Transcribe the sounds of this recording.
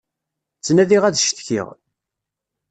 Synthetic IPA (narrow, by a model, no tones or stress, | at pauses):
t͡sːnæðiʁæðʃt̪çḭʁ